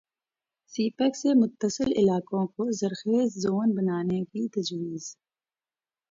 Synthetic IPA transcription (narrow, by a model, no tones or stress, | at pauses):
siːpəksemʊt̪ːəsɪlɪ̰laːkõkozɐɾxeːzzoːnbɐnaːnekit̪ɐd͡ʒwiːz̥